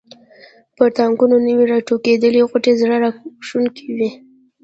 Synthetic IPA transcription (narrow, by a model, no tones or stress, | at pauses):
pəɾt̪aŋɡunonəwiɾɑʈoked̪əliɣaʈezɽaɾɑʂunkiwi